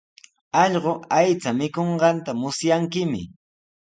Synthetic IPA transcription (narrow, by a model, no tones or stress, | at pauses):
ɑʎɢoajt͡samɪkoɴɢɑnt̪amʊsjaŋkɪmɪ̰